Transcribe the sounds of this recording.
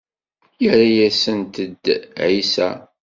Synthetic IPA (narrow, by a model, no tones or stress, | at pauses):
jəɾajæsənt̪əd̪ʕisæ̰